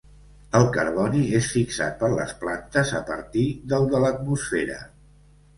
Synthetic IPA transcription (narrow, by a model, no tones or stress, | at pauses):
əlˠkəɾβɔniesfiksa̰t̪̚pəɾlə̰splant̪əzəpə̰ɾt̪iðəlˠd̪ələt̪musfɛɾə̰